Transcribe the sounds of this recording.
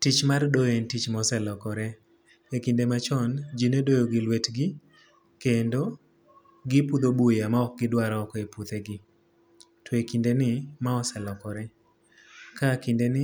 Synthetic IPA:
tit͡ʃmardojentit͡ʃmɔsɛlɔkɔɾɛ | ekindemat͡ʃɔnd͡ʒinedojoɡɪlwetɡɪ | kendo | ɡɪpud̪obujamaɔk̚ɡɪdwaɾaɔkɔeput̪eɡɪ | twekindenɪmaɔsɛlɔkɔɾɛ | kakindenɪ

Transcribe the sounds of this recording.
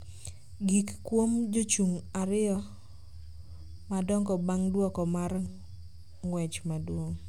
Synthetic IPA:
ɡikkwomd͡ʒot͡ʃuŋaɾɪɔ | madɔŋɡɔbaŋdwɔkɔmar | ŋwɛt͡ʃmadwoŋ

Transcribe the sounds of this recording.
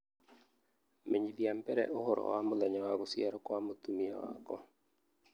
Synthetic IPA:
meɲid̪iampɛɾɛ̰ʔohʊɾɔ̰wamɔlaɲawakɔsiɛɾɔkɔamot̪umia̰wa̰kɔ

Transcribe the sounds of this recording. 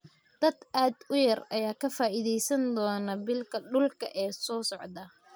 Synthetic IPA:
d̪̥ɐd̪ʔaːd̪ʊjɐrɐjaːkʰɐfaːʔiðɛjsɐnd̪ɔːnɐbɪlkʰɐɖʊlkʰɐʔɛːsɔːsɔʕd̪ɐ

